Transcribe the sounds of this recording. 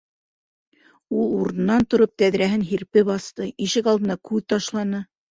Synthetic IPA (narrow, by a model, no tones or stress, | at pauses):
ulˠuɾɤ̆nːɑnt̪ŏɾop̚t̪æðɾæɦɘnɦiɾpɘbɑst̪ɤiʃɘkɑlˠd̪ɤ̆nɑkʉðt̪ɑʃlˠɑnɤ